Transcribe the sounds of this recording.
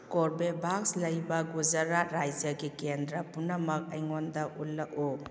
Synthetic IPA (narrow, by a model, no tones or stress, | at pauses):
kɔɾbebʱakslɐjbɐɡuzaɾaɾajd͡ʒɐɡikendɾɐpunɐmɐk̚ɐjŋondɐʔulːɐʔu